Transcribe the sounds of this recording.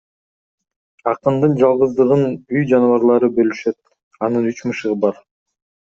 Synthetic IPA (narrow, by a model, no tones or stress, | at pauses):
ɑqɯnd̪ɯnd͡ʒɑlˠʁɯzd̪ɯʁɯnyjd͡ʒɑnvɑɾlˠɑɾɯbø̞lyʃøt̪ | ɑnɯnyt͡ʃmɯʃɯʁɯbɑɾ